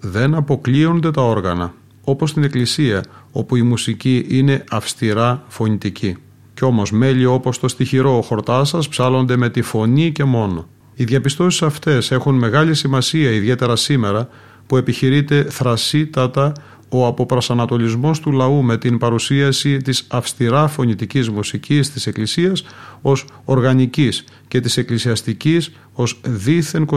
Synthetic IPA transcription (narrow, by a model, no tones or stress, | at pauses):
ðe̞nɐpo̞klio̞nd̪e̞t̪ɐo̞ɾɣɐnɐ̰ | o̞po̞st̪ine̞klisiɐo̞puimusiciʔine̞ɐfst̪iɾɐfo̞nit̪icʰi | ceo̞mo̞zme̞ʎio̞po̞st̪ost̪içiɾo̞ːxo̞ɾt̪ɐsɐspsɐlo̞nd̪e̞me̞t̪ifo̞nice̞mo̞no̞ | iðʝɐpist̪o̞si̥sɐft̪e̞se̞xunme̞ɣɐlisimɐsiɐiðʝe̞t̪e̞ɾɐsime̞ɾɐ | pue̞piçiɾit̪e̞θɾɐsit̪ɐt̪ɐ | o̞ɐpo̞pɾɐsɐnɐt̪o̞lizmo̞st̪ulɐume̞t̪inpɐɾusiɐsit̪isɐfst̪iɾɐfo̞nit̪icizmusicist̪ise̞klisiɐso̞so̞ɾɣɐnicis | ce̞t̪ise̞klisiɐst̪icis | o̞zðiθe̞ŋko